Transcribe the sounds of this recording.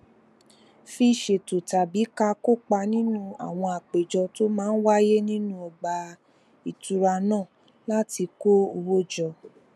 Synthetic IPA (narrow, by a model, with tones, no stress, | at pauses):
fi˦˨ʃe˨to˨ta˨bi˨˦ka˧ko˦˨k͡pa˧nĩ˦nũ˦a̰˨w̃ɔ̃˧a˨k͡pe˨d͡ʒɔ˧to˦mãː˦n̩˦wa˦je˦nĩ˦nũ˦ɔ˨ɡ͡ba˧ | i˨tu˧ɾa˧nãː˦˨ | la˦ti˧ko˦o˧wo˦d͡ʒɔ˧